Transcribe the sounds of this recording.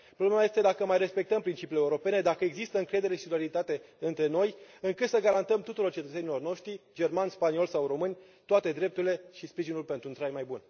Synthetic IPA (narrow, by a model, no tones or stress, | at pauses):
pɾo̞blemaje̞st̪e̞d̪akəmajre̞spe̞k̚t̪əmpɾint͡ʃipileuɾo̞pe̞ne̞d̪akəe̞ɡzist̪əɨŋkɾe̞d̪e̞ɾe̞ʃit̪ɾaɾilit̪at̪e̞ɨnt̪ɾe̞no̞jɨŋkɨt̪səɡaɾant̪əmt̪ut̪uɾo̞rt͡ʃet̪ət̪senilo̞rno̞ʃt̪ɾid͡ʒe̞rmanʲspanio̞lsawɾo̞mɨnʲ | t̪oat̪e̞d̪ɾe̞p̚t̪uɾile̞ʃispɾiʒinulpent̪ɾuːnt̪ɾajmajbun